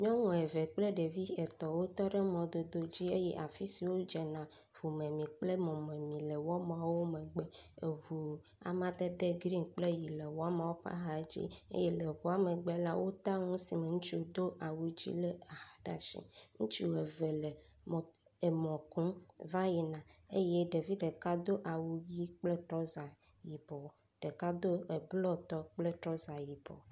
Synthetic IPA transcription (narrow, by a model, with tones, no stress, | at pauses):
ɲɔ̃˦ŋũ˨e˨ve˨k͡ple˦ɖe˨vi˦e˨t̪ɔ˨wo˦t̪ɔ˦ɖe˦mɔ̃˨d̪o˨d̪o˨d͡ʑi˦e˦jɛ̰˦ʔa˨fi˦si˨wo˦d͡ʒɛ˨nã˨ | vu˨mẽ˨mĩ˨k͡ple˦mɔ̃˨me˨mĩ˨le˨wɔ˦m̃˨a˨wo˦mẽ˨ɡ͡bɛ˨e˨vu˨ | a̰˨mã˦d̪e˦d̪e˦ɡɾi˦nk͡ple˦ji˨le˨wɔ˦a˦mã˨wo˦pa̰˦ɦa˨˦d͡ʑḭ˦ḛ˦je˦le˨βu˨˦a˦me˨ɡ͡be˦la˦wʔo˦t̪a˦ŋũ˦si˨me˨ŋũ˦t͡ʃu˦˨d̪o˦ʔa˨wu˦d͡ʑḭ˦le˦a˨ha˨ɖa˨ʃḭ̃˨ŋũ˦t͡ʃu˦e˨ve˨le˨ | m˨ | e˨mɔ̃˨kũ˦va˦ji˨nã˨e˦je˦ɖe˨vi˦ɖe˨ka˦d̪o˦ʔa˨wu˦ji˦k͡ple˦t̪ɾɔ˦za˨ | ji˨bɔ˨ | ɖ̥e˨ka˦d̪o˦e˨blɔ˦t̪ɔ˦k͡ple˦t̪ɾɔ˦za˨ji˨bɔ̰˨